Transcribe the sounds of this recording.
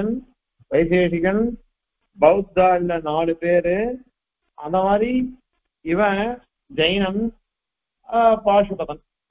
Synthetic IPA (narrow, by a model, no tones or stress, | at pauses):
ɐn | ʋɐɪs̬eːʂɪɣɐn | bɐɯt̪̚d̪aːlɐnaːɭɯpeːɾɯ | ɐ̰nd̪ɐmaːd̪ɾi | ɪʋɐ̃ | d͡ʒɐjnɐn | paːʂɯpɐðɐn